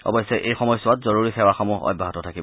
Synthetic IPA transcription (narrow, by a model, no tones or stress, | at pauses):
ɔ̰bɔjsːɛʔejxɔmɔjsʊwatzɔɹuɹixɛwaxɔmuɦɔ̰bʱaɦɔtɔtʰakibɔ